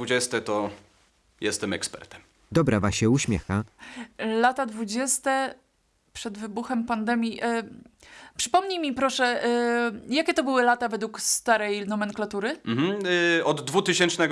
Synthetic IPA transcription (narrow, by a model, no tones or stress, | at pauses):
vud͡ʑɛst̪ɛt̪ɔ | jɛst̪ɛmɛ̰kspɛ̰ɾt̪ɛ̥m | d̪ɔbɾavaɕɛuɕmʲjɛ̰xa | lat̪ad̪vud͡ʑɛst̪ɛ | pʂɛd̪vɘbuxɛmpand̪ɛmʲjiʔ | pʂɘ̥pɔmɲimʲipɾɔʂɛ | jakʲɛt̪ɔbɘwɘlat̪avɛd̪wukst̪aɾɛjlnɔmɛŋklat̪uɾɘm̩m̩ɔd̪ːvut̪ɘɕɛnt͡ʂnɛɡ